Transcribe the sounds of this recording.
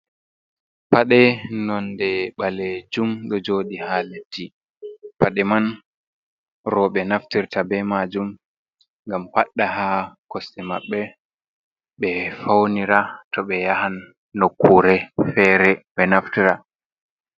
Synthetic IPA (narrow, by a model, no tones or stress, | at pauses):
paɗɛnɔndɛɓaled͡ʒumɗɔd͡ʒoːɗihaːletʰːi | paɗɛman | ɾɔɓɛnaftiɾtabɛmad͡ʒum | ŋɡampaɗːahakɔstɛmaɓːɛ | ɓɛfawniɾatʰɔɓɛjahanː | okːuɾɛfɛːɾɛɓɛnaftiɾa